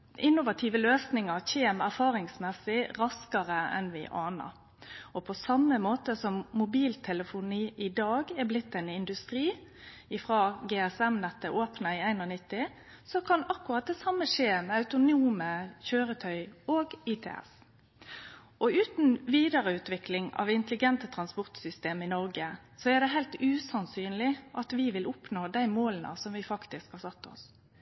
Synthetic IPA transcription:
ʔɪnːʊʋɑt̪ʰiʋəløːsnɪŋɑɾçeːmæɾfɑːɾɪŋsmɛsɪɾɑskɑʁəɛ̰nʋɪ̰ʔɑːnə̰ɾ | ɔpʰɔsɑmːəmoːt̪əsɔmmʊbiːlt̪ʰɛləfʊniːʔɪd̪ɑːɡɛɾblɪt̪ːɛnɪnd̪ʉst̪ɾiːɪfʁɑːɡeːɛsɛmnɛt̪ːəʔoːpnɑɪæɪnnɪt̪ːɪ | sɔkʰɑnɑkːʉʁɑt̪̚d̪ɛsɑmːəʂeːmɛɑʉt̪ʊnuːməçøːɾət̪ʰœʏoːɡɪt̪ʰɛ̰ːɛ̰s | ʔɔʉːt̪n̩ʋiːd̪ɑʁəʉːt̪ʋɪklɪŋɑ̰ʋɪnt̪əlɪɡɛnt̪ət̪ʰʁɑnspɔʁt̪sʏst̪eːmɪnɔʁɡə | sɔɛʁd̪ɛɦæɪlt̪ʉːsɑnsyːnlɪʔɑt̪ʋɪʋɪlʔʊpnoːd̪æɪmoːlənə̰sɔmʋɪfɑkt̪ɪskhɑːsɑt̪ːɔ̰s

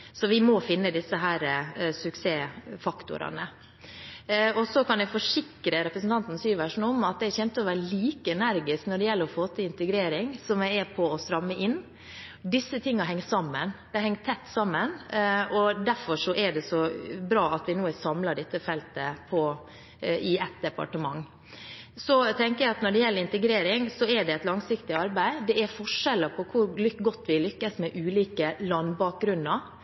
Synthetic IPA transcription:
sɔʋɪmɔfɪnːəd̪ɪsəɦæːɾəsʉkseːfɑkt̪ʊ̰ɾɑ̰nə | ɔsɔkʰɑnjɛfɔʂɪkɾəɾɛpɾəsn̩t̪ʰɑnt̪n̩syːʋæʂn̩ɔmɑt̪̚d̪ɛæɾçɛnt̪əɔʋæːɾəliːkəɛnæɾɡɪsknɔɖɛjɛlːəɾɔfoːt̪əɪnt̪əɡɾeːɾɪŋsɔmɛɛpʰɔɔst̪ɾɑmːəʔɪnː | d̪ɪsːət̪ʰɪŋːɑɦɛŋt̪sɑmːənd̪̥ɛhɛŋt̪ʰːɛt̪ːsɑmːənɔd̪æɾfɔʂɔʔɛɖɛsɔbɾɑːɑt̪ʋɪnoːɛsɑmlɑɖɪt̪ːəfɛlt̪əpʰɔ | ʔɪɛt̪̚d̪ɛpɑ̰ʈəmɑŋː | sɔt̪ʰɛŋkəjæɪɑt̪nɔɖɛjɛlːəɾɪnt̪əɡɾeːɾɪŋsɔɛɖɛɛt̪lɑŋsɪkt̪ɪɑɾbæɪd̪ɛɛɾfɔʂɛləpʰɔkʰʊɾɡɔt̪ːʋɪlʏkːəsmɛʔʉːliːkəlɑnːbɑːk̚ɡɾʉnːɑɾ

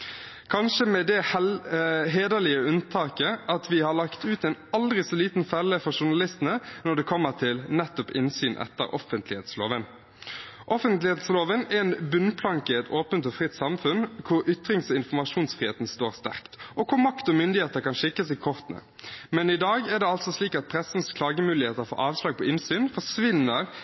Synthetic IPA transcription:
kʰɑnʂəmɛd̪ɛhɛɦeːd̪əlɪəʉnt̪ʰɑːkəʔɑt̪ʋɪhɑʁɭɑkt̪ʉːt̪ɛɪnɑld̪ʁɪsɔliːt̪n̩fɛlːəfɔʁʂʊnɑlɪst̪ənənɔd̪ɛkʰɔmːəʁt̪ʰɪlnɛt̪ːɔpɪ̰nsyːnʔɛ̰t̪ːə̰ɾʔɔ̰fənt̪lɪhḛːt̪slo̰ːʋən | ʔɔfənt̪lɪheːt̪sloːʋənɛnbʉnpʰlɑŋkəɪɛt̪ʰoːpənt̪ɔfɾɪt̪ːsɑmfʉnkʰʊɾʏt̪ɾɪŋsɔɪnfɔmɑʂuːnsfʁiːeːt̪n̩st̪oːʁst̪æʁkt̪ʔɔkʰʊɾmɑkt̪ɔmʏnd̪ɪheːt̪əɾkɑnʃɪkːəsɛɡkʰɔʁt̪nə̰ | mɛnɪd̪ɑːɡɛʁd̪ɛɑlt̪sɔsliːkɑt̪̚pʰʁɛsn̩skʰlɑːɡəmʉːlɪheːt̪əɾfo̰ːʔɑːʋslɑːɡ̚pʰɔʔɪnsyːnfɔʁʂʋɪnːəʁ

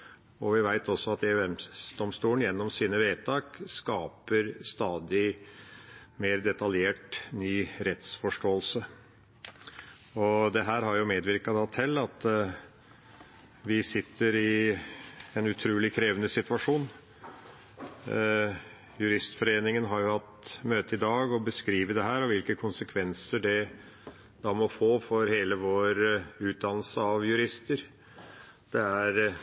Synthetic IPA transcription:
ɔʋɪʋæɪt̪ɔsːɔɑt̪ɛʉɛmd̪ɔmst̪uːlən̩jɛnːɔmsiːnəʋeːt̪ʰɑːkskɑːpəɾst̪ɑːd̪ɪ | meːɾd̪ɛt̪ɑljeːʈnyːɾɛt̪sfɔʂʈoːəlsə | ɔd̪ɛɦæːɾɦɑɾjʊmeːd̪ʋɪɾkɑd̪ɑt̪ʰɛlːɑt̪ | ʋɪsɪt̪ːəɾɪ | ɛnʉt̪ʰɾuːlɪkʰɾeːʋənəsɪt̪ʉʋɑʂuːn | jʉɾɪst̪fɔɾeːnɪŋənɦɑɾjʊhɑt̪møːt̪əɪd̪ɑːɡɔbəskɾiːʋəd̪ɛɦæːɾɔʋɪlkəkʰʊnsəkʰʋɛnsəɖɛ | d̪̥ɑmɔfoːfɔɾheːləʋoːɾʉːt̪̚d̪ɑnːəl̩səɑʋjʉɾɪst̪əɾ | d̪̥ɛæɾ

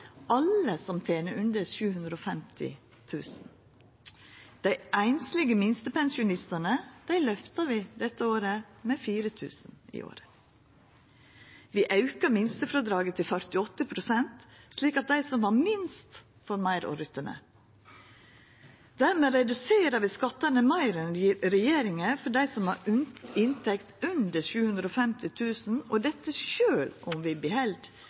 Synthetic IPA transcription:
ʔɑləsɔmt̪ʰeːnəʔʉnd̪əʃʉːhʉnd̪ɾoːfɛmt̪ʰɪ̰ | t̪ʰʉːsn̩ | d̪̥æɪʔæɪnslɪɡəmɪnst̪əpɛnsɪʊnɪst̪ənəd̪̥æɪlœft̪ɑʋɪd̪ɛt̪ːəoːɾəmefiːɾət̪ʰʉ̰ːsnḭːʔo̰ːɾə | ʋiːʔɑʉkəmɪnst̪əfɾɔd̪ɾɑːɡət̪ʰɪlfœɾt̪ɪɔt̪ːəpʰɾʊsɛnt̪sliːkɑt̪̚d̪æɪsɔmʋɑɾmɪnst̪ | fɔɾmɑɪɾo̰ɾʏt̪ːəmə̰ | d̪æɾmeːɾɛd̪ʉseːɾəʋɪskɑt̪ːənəmɑɪɾənɾɛjeːɾɪŋəfɔɖæɪsɔmhɑ̰ɾʉnɪnt̪ʰɛkt̪ʉnd̪əʃʉːhʉnd̪ɾoːfɛmt̪ʰɪt̪ʰʉːsn̩ɔd̪ɛt̪ːəʃøːlʔɔmʋɪbɪhɛld̪

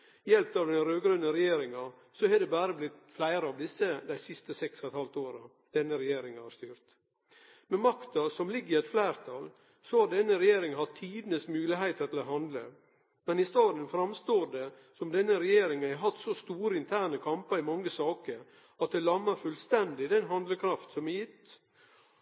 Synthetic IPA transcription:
jɛlpt̪ɑʋd̪ɛnɾøːɡɾœnːəɾɛjeːɾɪŋɑ | sɔhɛd̪ɛbæːɾəblɪt̪flæɪɾəɑʋd̪ɪsːəd̪æɪsɪst̪əsɛksɔɛt̪hɑlt̪oːɾɑ | d̪̥ɛnːəɾɛjeːɾɪŋɑhɑɾst̪yːɾt̪ | mɛmɑkt̪ɑsɔmlɪɡːɪɛt̪flæɪɾt̪ʰɑl | sɔhɑd̪ɛnːəɾɛjeːɾɪŋhɑt̪ʰiːd̪ənəsmʉːlɪɦæɪt̪ʰəɾt̪ʰɪlɔɦɑnd̪lə̰ | mɛnɪst̪ɑːd̪ənfɾɑmst̪oːɖ̪ɛ | sɔmd̪ɛnːəɾɛjeːɾɪŋənæɦɑt̪ːsɔst̪uːɾəɪnt̪ʰæːɳəkʰɑmpəɾɪmɑŋːəsɑːkəɾ | ɑt̪̚d̪ɛlɑmːəɾfʉlst̪ɛnd̪ɪd̪ɛnɦɑnd̪ləkʰɾɑft̪sɔmɛjɪt̪ː

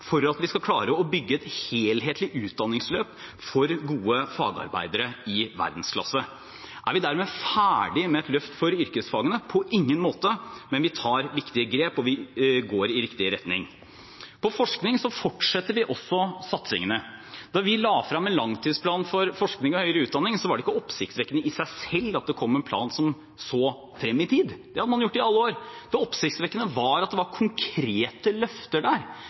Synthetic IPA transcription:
fɔɾɑt̪ʋɪskɑkʰlɑːɾəɔbʏɡːəɛt̪heːlɦeːt̪lɪʔʉːt̪̚d̪ɑnːɪŋsløːpfɔɾɡuːəfɑːɡɑ̰ɾbæ̰ɪd̪əɾəɪʋæ̰ɾd̪n̩skʰlɑ̰sə | ʔæ̰ɾʋɪd̪æɾmeːfæːɖɪmɛɛt̪lœft̪fɔɾʏɾkəsfɑːɡənəpʰɔʔɪŋːənmoːt̪əmɛnʋɪt̪ʰɑːɾʋɪkt̪ɪəɡɾeːpɔʋɪɡoːɾɪɾɪkt̪ɪəɾɛt̪nɪ̰ŋ | pʰɔfɔʂknɪŋsɔfɔʈʂɛt̪ːəɾʋɪʔɔsːɔsɑt̪sɪ̰ŋənəd̪̥ɑɾʋɪlɑːfɾɑmːɛnlɑŋt̪ʰiːd̪spʰlɑːnfɔɾfɔʂknɪŋɔhœʏɾəʉːt̪̚d̪ɑnːɪŋsɔʋɑɖɛɪkːəɔpːsɪkt̪sʋɛkːənəɪsæɪsɛlːɑt̪̚d̪ɛkʰɔmːɛnpʰlɑ̰ːnsɔm | soː | fɾɛmːɪt̪ʰiːd̪d̪̥ɛhɑd̪əmɑnjʊʈːɪɑlːəoːɾd̪̥ɛɔpsɪkt̪sʋɛkːənəʋɑɾɑt̪̚d̪ɛʋɑɾkʰʊŋkʰɾeːt̪əlœft̪əɖæːɾ

